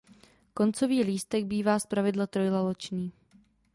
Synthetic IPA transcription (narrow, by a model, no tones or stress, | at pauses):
ko̞nt͡so̞viːliːst̪ɛɡ̚biːvaːspɾavɪdlat̪ɾo̞jlalot͡ʃɲiː